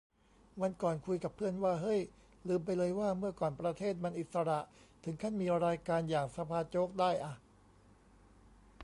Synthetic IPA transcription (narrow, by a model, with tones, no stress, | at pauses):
wa˧nkɔː˨˩nkʰu˧jka˨˩pʰːɯ˥˩ənwaː˥˩ɦɤ˦˥˩j | lɯː˧mp̬a˧jlɤː˧jwaː˥˩mɯ˥˩ɐkɔː˨˩npɾa˧t̪ʰeː˥˩t̪̚ma˧nʔi˨˩t̪̚sa˧ɾa˨˩ʔt̪ʰɯ˩˦ŋkʰa˥˩nmiː˧ɾaː˧jkaː˧njaː˨˩ŋsa˧pʰaː˧t͡ɕoː˦˥k̚daː˥˩jʔa˨˩